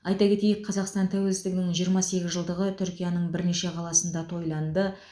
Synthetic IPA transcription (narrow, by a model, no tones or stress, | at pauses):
ɑjt̪ɑkʲʰe̞t̪e̞jɪk̚qʰɑzɑqst̪ɑnt̪ʰæwe̞lsɪzɪɡʲɪnɪŋʒijəɾmɑse̞ɡʲɪzʒəlˠd̪əʁət̪ʰʏɾkʲijɑnəɴbɪɾne̞ʃe̞qʰɑlˠɑsənd̪ɑt̪ʰo̞jlˠɑnd̪ə